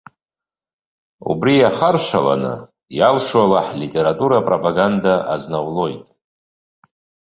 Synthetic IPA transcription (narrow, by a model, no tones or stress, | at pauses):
ṵbrijaχarʃʷala̰nɨ̰ | jalʂwalaħlitʼeɾatʼuɾapʼropʼaɡandaʔaznawlo̞jtʼ